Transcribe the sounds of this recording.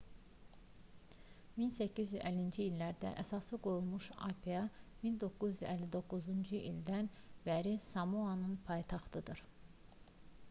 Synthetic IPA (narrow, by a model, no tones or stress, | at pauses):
minsæcʰːizyzælːind͡ʒiːlːæɾd̪æ̰ʔæsɑsɯɡo̞julˠmuʃɑ̰pʰijɑmind̪o̞kːuzyzælːid̪o̞kːuzund͡ʒuʔild̪ænbæɾisɑmuɑnɯnpʰɑjt̪ʰɑχt̪ʰɯd̪ɯɾ